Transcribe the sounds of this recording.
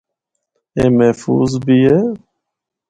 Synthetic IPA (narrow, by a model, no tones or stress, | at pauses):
emɛfṵzbije